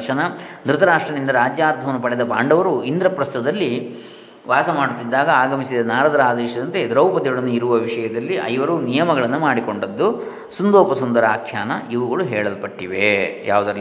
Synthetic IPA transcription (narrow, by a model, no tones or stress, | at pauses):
ʂɐnɐd̪ɾut̪ɐɾaːʂʈɾɐnind̪ɐɾaːd͡ʒjaːɾt̪ʰɐʋɐnːupɐɽɛd̪ɐpaːɳɖɐʋɐɾuind̪ɾɐpɾɐst̪ɐd̪ɐlːi | ʋaːsɐmaːɽut̪ːid̪ːaːɡɐaːɡɐmisid̪ɐnaːɾɐd̪ɐɾaːd̪ɛːʃɐd̪ɐnt̪e̞d̪ɾɐwpɐt̪iɡuɽɐnːuiɾuʋɐʋiʂɐjɐd̪ɐlːiʔɐ̰jiʋɐɾunijɐmɐɡɐɭɐnːumaːɽiko̞ɳɖɐd̪ːu | sund̪ɔːpɐsund̪ɐɾɐaːkʰjaːnɐiʋɐɡɐɭuɦɛːɭɐlpɐʈːiʋeja̰ːʋud̪ɐ